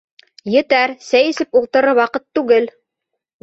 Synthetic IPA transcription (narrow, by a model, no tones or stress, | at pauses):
jɘ̆t̪æɾsæjɘ̆sɘpulˠt̪ɤ̆ɾɤwɑqɤt̪ːʉɡɘl